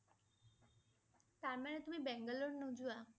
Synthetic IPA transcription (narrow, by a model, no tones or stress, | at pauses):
t̪aɾmaɳet̪umĩbɛŋɡəlonːũd͡ʒua